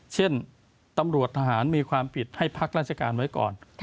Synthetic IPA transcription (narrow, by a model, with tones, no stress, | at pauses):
t͡ɕʰe˥˩n | t̪a˧mɾu˨˩ət̪ʰaː˧ɦaː˩˦nmiː˧kʰwaː˧mpʰi˨˩t̪̚ha˥˩jpʰa˦˥˩k̚ɾaː˥˩t͡ɕʰa˧ka̰ː˧nwa˦˥jkɔ̰ː˨˩n